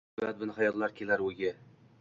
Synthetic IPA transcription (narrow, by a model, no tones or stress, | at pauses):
bat̪̚bɪnχajɒt̪lˠaɾkʲʰelaɾɵɡʲɪ